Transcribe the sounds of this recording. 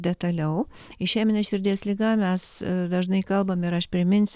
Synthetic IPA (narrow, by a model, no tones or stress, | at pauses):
d̪ʲɛt̪ɐlʲɛʊ | ɪʃʲæːmʲɛnʲɛʃʲɪɾʲd̪ʲiɛslʲiːɡɑmʲɛsd̪ɐʒnɐɪkɐlˠbɐmɪɾɐʃpʲɾʲɪmʲɪnʲsʲ